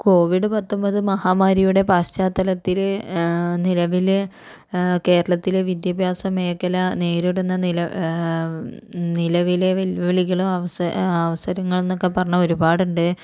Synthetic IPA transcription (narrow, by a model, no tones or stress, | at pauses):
ko̞ːʋiɖɨpɐt̪ːo̞mbɐðɨmɐhaːmaːɾɐjuɽe̞paːɕt͡ɕaːt̪ːɐlɐt̪ːilenilɐʋil | ke̞ːɾɐɭɐt̪ːileʋid̪jɐbʱjaːsɐme̞ːkːɐlɐne̞ːɾiɽunːɐilɐ | nilɐʋileʋɐlʋɐʋɐɭiɣɐɭumɐʋɐɐʋɐsɐɾɐŋːɐɭenːokːe̞pɐrɐɲːɐo̞ɾubaːɽuɳɖɨ